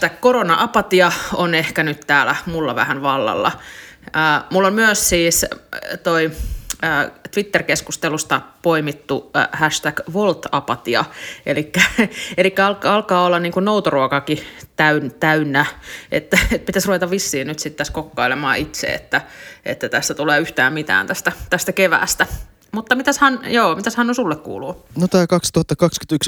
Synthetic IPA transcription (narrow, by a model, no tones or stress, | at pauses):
t̪ækkoronɑʔɑpɑt̪iɑonehkænyt̪t̪æːlæmulːɑʋæ̰hænʋɑlːɑ̰lːɑ̰ | əːmulːolmyøssiːst̪oiəːt̪ʋit̪ːerkeskust̪elust̪ɑpoimit̪ːuhæʃt̪ækʋolt̪ɑ̰pɑt̪iɑ̰ʔelikːæelikːæɑlkɑlkɑːolːɑnniːŋkunnout̪oruokɑkit̪æynt̪æynːæʔḛt̪ːæet̪̚pit̪æsruʋet̪ɑʋʋisːiːnyt̪sit̪t̪æskokːɑilemɑ̰ːʔit̪sḛḛt̪ːæʔḛt̪ːæt̪æst̪æt̪uleːyht̪æːmmit̪æ̰ːnt̪æst̪æt̪æst̪ækeʋæ̰ːst̪æ | mut̪ːɑmit̪æshænjoːmit̪æshɑnnosulːekkṵːluːnot̪ɑːkɑkst̪uhɑt̪ːɑkɑksky̥t̪yks